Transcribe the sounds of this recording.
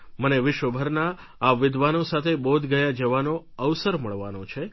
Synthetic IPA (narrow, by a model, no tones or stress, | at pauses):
məneʋɪʃʋəbʱəɾnaː | ʋɪd̪ʱʋanõsat̪ʰebod̪ʱɡəjad͡ʒəʋano | əʋsəɾməɭʋanõt͡ʃʰe